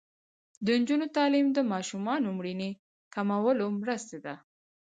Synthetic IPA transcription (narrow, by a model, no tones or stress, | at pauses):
d̪ənd͡ʒunot̪ɑlimd̪əmɑʃumɑnomɽine | kamawəlomɾəst̪ad̪a